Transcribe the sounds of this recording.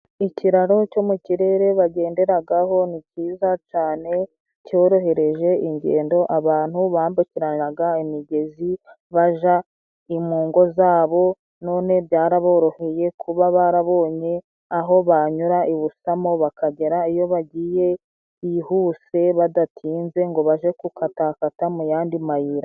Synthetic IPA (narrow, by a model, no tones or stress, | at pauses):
iciɾaɾo̞co̞muciɾe̞ɾe̞βaɟe̞ːnde̞ɾaɡaho̞niciːzat͡ʃaːne̞ | co̞ːɾo̞ɦe̞ɾe̞ʒe̞iɲɟḛːndo̞ʔaβaːn̥huβaːmbuciɾaaɡaimiɟe̞zi | βaʒa | imuːŋɡo̞zaːβo̞ | no̞ːne̞bɟaːɾaβo̞ːɾo̞he̞je̞kʰuβaβaɾaβo̞ːɲe̞ | aɦo̞βaɲuɾaiβusamo̞βakaɟe̞ɾaijo̞βaɟiːje̞ | ihuːse̞βadatʰiːnze̞ŋɡo̞βaʒe̞kukatakatamujaːndimajiɾa